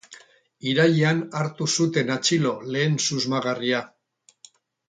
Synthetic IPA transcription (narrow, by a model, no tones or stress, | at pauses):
iɾajeanaɾt̪usut̪e̞nat͡ʃilo̞le̞ːnsuzmaɣaria